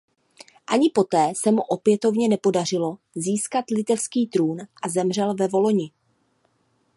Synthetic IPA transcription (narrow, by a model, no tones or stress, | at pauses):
ʔaɲɪpo̞t̪ɛːsɛmuʔo̞pjɛt̪o̞vɲɛnɛpo̞dar̝ɪlo̞ | ziːskat̪lɪt̪ɛfskiːt̪ɾuːnʔazɛmr̝ɛlvɛvo̞lo̞ɲɪ